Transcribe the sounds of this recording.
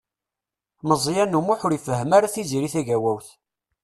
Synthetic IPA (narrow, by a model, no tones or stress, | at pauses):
məzˤjænːumuħʊɾifəɦːəmaɾaθiziɾiθæʝæwæwθ